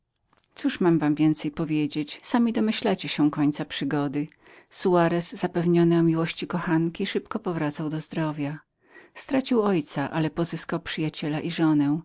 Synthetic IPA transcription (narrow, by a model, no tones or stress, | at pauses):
t̪suʂmamvamvʲjɛnt̪sɛjpɔvʲjed͡ʑet͡ɕsamʲid̪ɔmɘɕlat͡ɕɛɕɛkɔɲt̪sapʂɘɡɔd̪ɘ | suaɾɛsːapɛvɲɔnɛɔmʲiwɔɕt͡ɕikɔxankʲiʂɘpkɔpɔvɾat̪sawd̪ɔzd̪ɾɔvʲja | st̪ɾat͡ɕiwɔjt̪saʔalɛpɔzɘskawpʂɘjat͡ɕɛlaʔiʐɔnɛ